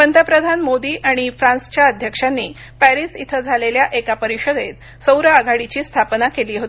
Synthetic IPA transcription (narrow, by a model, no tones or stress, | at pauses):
pənt̪əpɾəd̪ʱanmod̪iːʔaɽ̃ifɾãnst͡ɕjaəd̪ʱjəkʂanːiː | pæɾisit̪ʰəd͡zʱaleljaʔekapəɾiɕəd̪et̪ | səwɾəaɡʱaɽit͡ɕiːst̪ʰapnakeliːɦot̪i